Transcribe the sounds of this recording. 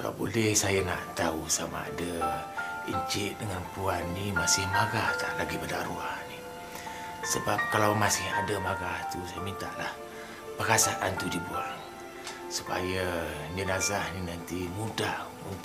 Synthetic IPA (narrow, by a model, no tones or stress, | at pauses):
ɡa̰bo̰lɛhsajaŋa̰ʔt̪ausama̰a̰da | iɲt͡ʃɪʔdəŋanpuanːimasɪhmaɡaht̪a̰ʔlaɡipadaɾuahni | səbap̚kalawmasɪha̰damaɡaht̪usajəmint̪aʔlah | pəkasaʔant̪udibuaŋ | su̥pa̰jad͡ʒənazahninant̪imudamu